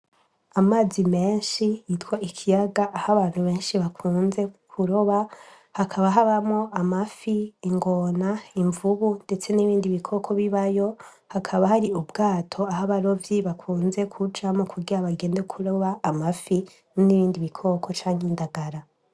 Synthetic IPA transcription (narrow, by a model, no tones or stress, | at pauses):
amaːzime̞ːnʃijitwaʔikʰijaɡaʔːhaβaːn̥huβe̞ːnʃiβakʰuːnze̞kʰuɾo̞βa | hakʰaβaɦaβamŋoʔamafiːŋɡo̞naiɱvuβunde̞t͡se̞niβiːndiβikʰo̞ːkʰo̞βiβajo̞ | hakʰaβahaɾiubɡaːtʰo̞aɦaβaɾo̞vjiβakʰuːnze̞kʰud͡ʒamokʰuɡiɾaβaɡe̞ːndekʰuɾo̞βaːmafi | nniβiːndiβikʰo̞ːkʰo̞t͡ʃaːɲhindaɡaɾa